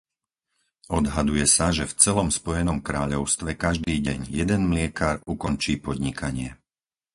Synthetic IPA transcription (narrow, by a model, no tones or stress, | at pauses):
ɔd̪ɦad̪ujɛsaʒɛft͡sɛlɔmspɔjɛnɔmkɾaːʎɔʊst̪ʋɛkaʒd̪iːɟɛɲjɛd̪ɛnmlɪɛkaɾukɔnt͡ʃiːpɔd̪ɲikʰaɲɪɛ